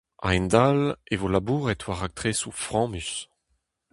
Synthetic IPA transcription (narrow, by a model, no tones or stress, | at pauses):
a̰ɛ̃nd̪alevolabuːʁɛtʰwaʁak̚t̪χesufʁɑ̃ːmys